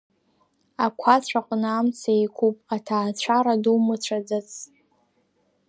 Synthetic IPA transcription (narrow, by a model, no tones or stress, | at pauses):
akʷʰat͡ɕʷʰaqʷʼnamt͡sʰajkʰʷupʼatʰaːt͡ɕʷʰaɾadumɨt͡ɕʷʰad͡zat͡sʰʼ